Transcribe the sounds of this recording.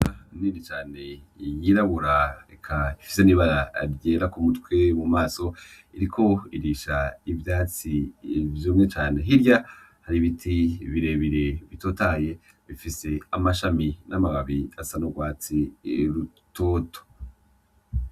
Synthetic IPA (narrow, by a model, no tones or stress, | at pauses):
niːnit͡ʃaːne̞jiɾaβuɾaekʰaifi̥seniβaɾaɾɟeːɾakumutwe̞mumaːso̞ | iɾikʰo̞iɾiːʃaivjaːt͡sivjuːmŋe̞t͡ʃaːne̞ɦiɾja | haɾiβitʰiβiɾe̞βiɾe̞βito̞ːtaje̞ | βifise̞amaʃaminʔamaβaβiasanoɡwaːt͡siɾu | tʰoːtʰo̥